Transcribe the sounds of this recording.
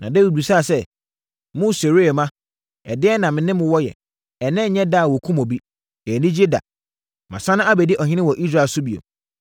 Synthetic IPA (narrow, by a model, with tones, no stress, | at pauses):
nã̰˨de˦wi˨bu˨sa˦˨sɛ˦ | mʊ̃˦se˨ɾi˦e˨mã˦ | ɛ˨dɪ˦ɛ˦nã˨mɪ̃˨nɪ̃˦mʊ̃˨wɔ˦jɛ̰˨ | ɛ˨nɪ̃˦˨ɲɛ̃˦da˦˨wɔ˨kʰũ˦mɔ̃˨bi˦ | ɛ˨nɪ̃˦d͡ʑi˦da̰˨ | mã̰˨sã˦nʊ̃˦a˦bɛ˨dɪ˦ʔɔ˨ɦɪ̃˦nɪ̃˦wɔ˨ʔi˦s̬ɾaː˦˨sʊ˦bi˨o̰˨m